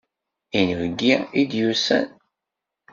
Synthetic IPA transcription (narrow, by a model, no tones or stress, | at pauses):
inəvɡːiid̪jusæ̰n